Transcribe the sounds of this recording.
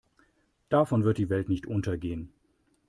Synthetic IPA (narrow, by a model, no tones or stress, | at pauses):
d̥afɔnvɪɐt̚d̥iːvɛltnɪçtʔʊntɐɡeːən